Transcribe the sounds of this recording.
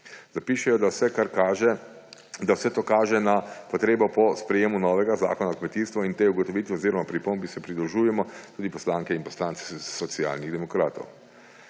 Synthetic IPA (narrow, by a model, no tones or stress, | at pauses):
zapiːʃɛjɔd̪awsɛkaɾkaʒɛ | d̪awsɛt̪oːkaːʒɛnapɔt̪ɾeːbɔpɔspɾɛjeːmunɔːʋɛɡaza̰ːkɔnaɔkmɛt̪ist̪ʋɔint̪euɡɔt̪ɔʋiːt̪ʋɛɔziːɾɔmapɾipoːmbisɛpɾid̪ɾɔʒuːjɛmɔt̪uːd̪ipɔslaːŋkɛinpɔslaːnt̪sɛ̥sɔt̪sia̰ːlniɣd̪ɛmɔkɾaːt̪ɔ̰w